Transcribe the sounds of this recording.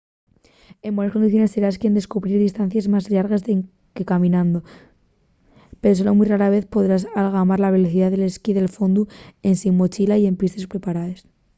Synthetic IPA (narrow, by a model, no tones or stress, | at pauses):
e̞mbwo̞naskoniθjo̞ne̞sːe̞ɾaskje̞nd̪e̞skuβɾiɾðist̪anθjazmazʎaɾɣese | ke̞kamĩnãnd̪o̞ | pe̞ɾo̞s̬elomujraɾaβe̞θpo̞ðɾas̬alɣamaɾlaβ̞e̞loθiðaðe̞le̞skiðe̞lfo̞nd̪ue̞nsiŋmo̞t͡ʃilaie̞mpist̪e̞spɾe̞paɾaðe̞s